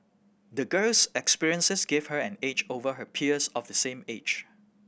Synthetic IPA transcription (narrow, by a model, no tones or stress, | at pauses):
dəɡɜlsɛkspiɹiə̃nsəsɡevhəɛ̃ned͡ʒovəɦəpʰiəsɔfdəsẽmed͡ʒ